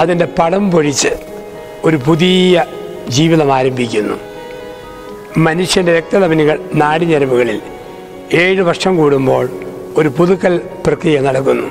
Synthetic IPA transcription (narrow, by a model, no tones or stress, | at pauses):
ɐðinde̞pɐɽɐmpoɻit͡ɕːɨ | o̞ɾupuðijɐ | d͡ʑiːʋiðɐmaːɾɐmbikʲːunːṵ | mɐnuʂjɐndeɾek̚t̪ɐðɐmɐniɣɐɭnaːɽiɲɐɾɐmuɣɐɭil | e̞ːɻɨʋɐrʂɐmkuːɽumbo̞ːɭ | o̞ɾupuðukːɐlprɐkrijɐmnɐɽɐkːunːu